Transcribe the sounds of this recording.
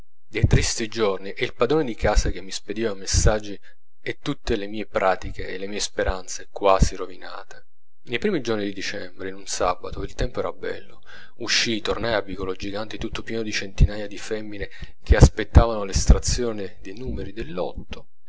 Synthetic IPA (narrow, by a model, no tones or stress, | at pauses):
d̪ejt̪ɾist̪id͡ʒorniʔɛilpad̪ɾoːned̪ikaːsak̟emːisped̪iːvamesːad͡ʒːi | et̪ːut̪ːelemiːepɾaːt̪ikeːlemiːespeɾʔant̪sekwaːsirovina̰ːt̪e̥ | nejpɾimid͡ʒornid̪id̪it͡ʃɛmbɾeinunsaːbat̪oilt̪ɛmpoɛɾabɛ̰lːo | uʃːit̪ornajavikolod͡ʒiɡant̪it̪ut̪ːopjɛːnod̪it͡ʃent̪inaːjad̪ifɛmːine | k̟ʰeaspet̪ːaːvanolest̪ɾat̪sːjoːnid̪enuːmeɾid̪elːɔ̰t̪ːo